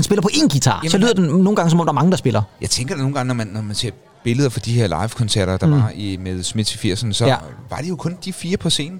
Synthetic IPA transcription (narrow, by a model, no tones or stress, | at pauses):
ænsb̥e̝lɐpʰɒ̽ʔe̝ːnɡ̥it͡sʰɑ̰̈ːsɒ̽lyðˠɐd̥enoːn̩ɡɑ̈ŋəsɒmɒ̽md̥ɑɐmɑ̈ŋə̥ɑsb̥e̝lʔɐjɑ̈ɪt͡sʰeŋɡ̥ɐd̥eno̝ːn̩ɡɑ̈ŋənɒmænːɒmænse̝ɐ̰̥ | b̥e̝ləðˠɐfɒ̽d̥ihe̝ɐlɑ̈ɪʋkʰɒ̽nsæɐ̰ɾ̥ɐd̥ɑ̈imeðˠsmed̥t͡sʰifiɐ̰sənsɒ̽ʋɑ̈d̥ejo̝kʰɔ̽nd̥ifiːɐpʰɒ̽se̝̰ːnn̩